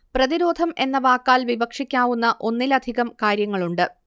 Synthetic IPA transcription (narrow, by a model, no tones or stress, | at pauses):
prɐðiɾo̞ːd̪ʱɐme̞nːɐʋaːkːaːlʋibɐkʂikʲːaːʋunːɐʔo̞nːilɐd̪ʱiɣɐmkaːɾjɐŋːɐɭuɳɖɨ